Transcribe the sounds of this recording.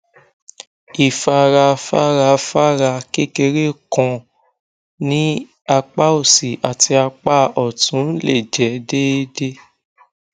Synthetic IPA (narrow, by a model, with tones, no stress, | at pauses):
i˨fa˧ɾa˧fa˦ɾa˧fa˦ɾa˧ke˦ke˧ɾe˦˨kɔ̃˧ | nĩ˦ | a˧k͡pa˦o˦˨si˨a˨ti˧a˧k͡pa˦ɔ˨tũ˨˦le˦˨d͡ʒɛ˨˦de˦de˦